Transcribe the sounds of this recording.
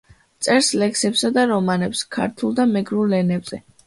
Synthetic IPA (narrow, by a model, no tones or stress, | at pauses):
t̪sʼɛɾslɛksɛpsad̪aɾɔmanɛpskʰa̰ɾt̪ʰulˠd̪amɛɡɾulɛnɛbz̥ɛ